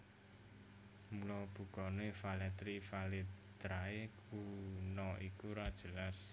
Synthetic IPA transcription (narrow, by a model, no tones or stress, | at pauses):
mulɔb̥ṳkɔnefalɛt̪ɾifalid̪̥ɾaekunɔikuɾad̥ʒ̥ə̤las